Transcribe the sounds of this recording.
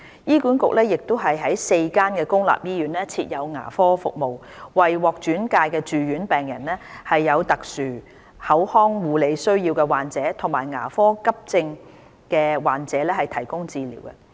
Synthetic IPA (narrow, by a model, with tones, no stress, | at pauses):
jiː˥kuː˨˥nkʊ˨k̚lɛː˥jɪ˨k̚t̪ʊ˥ɦɐ˨jɦɐ˨˥jse˧jkaː˥nkɛː˧kʊ˥ŋla̰ː˨p̚jiː˥jyː˨˥nlɛː˥t͡sʰiː˧t̚jɐ˨˧wŋa̰ː˨˩fɔː˥fʊ˨k̚mo˨w | wɐ˨jwɔː˨k̚t͡ʃyː˨˥nkaː˧jkɛː˧t͡ʃyː˨ɥyː˨˥npɛː˨ŋjɐ˨˩nlɛː˥hɐ˨jːɐ˨˧wt̪ɐ˨k̚syː˨˩ | hɐ˨˥whɔː˥ŋwuː˨˧le˨˧jsɵ˥ɥjiː˧wkɛː˧waː˨˩nt͡sɛː˨˥t̪ʰʊ˨˩ŋmaː˨˩jŋa̰ː˨˩fɔː˥kɐ˥p̚t͡sɪ˧ŋ | kɛː˧waː˨nt͡sɛː˨˥lɛː˥hɐ˨jt̪ʰɐ˨˩jkʊ˥ŋt͡siː˧lḭː˨˩wkɛ̰˧